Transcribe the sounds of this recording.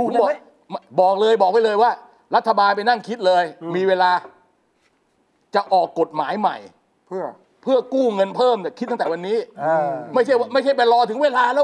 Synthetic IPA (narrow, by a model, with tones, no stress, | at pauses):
bɔː˨˩˥ | bɔː˨˩k̚lɤː˧jbɔː˨˩k̚wa˥˩jlɤː˧jwaː˥˩ | ɾa˦˥t̪ʰːa˧baː˧np̬a˧jna˥˩ŋkʰi˦˥t̪̚lɤː˧jmiː˧weː˧laː˧ | t͡ɕa˨˩ʔɔː˨˩kːo˨˩t̪̚maː˩˦jma̰˨˩j | pʰɯ˥˩ɐ | pʰɯ˥˩ɐkuː˥˩ŋɤ˧npʰɤː˥˩md̪a˨˩kʰiː˦˥˩t̪ːwa˧nːiː˦˥˧ma˥˩jt͡ɕʰa˥˩ja˥˩ma˥˩jt͡ɕʰa˥˩jp̬a˧lɔː˧t̪ʰɯ˨˩˦ŋweː˧laː˧lɛː˦˥